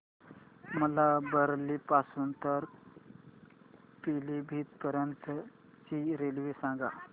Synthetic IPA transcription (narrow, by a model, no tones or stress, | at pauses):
məlabəɾlipasuːnt̪əɾ | pilibʱiːt̪pəɾənt̪ | t͡ɕiɾelʋesãŋɡa